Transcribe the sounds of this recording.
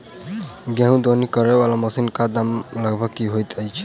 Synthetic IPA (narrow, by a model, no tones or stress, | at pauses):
ɡaɦũd̪onikɔɾɛwalɔmɔsinkad̪amlaɡbɔkːiɦojt̪ajt͡ʃʰ